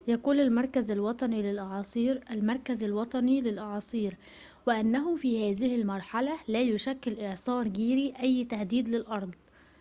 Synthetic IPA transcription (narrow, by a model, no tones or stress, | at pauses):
jakuːnalmɑɾˤkazalwɑt̪ˤɑniːlɪlʔɑʕɑːsˤiːɾʔalmɑɾˤkazalwɑt̪ˤɑnilɪlʔɑʕɑːsˤiːɾ | wɪʔanːæɦʊfiːhæːðɪhɪlmɑɾˤħalalæːjʊʃækːɪlʔɪʕsˤɑːɾˤɡiːɾiʔæjːt̪ahd̪iːd̪lɪlʔɑɾˤd̪ˤ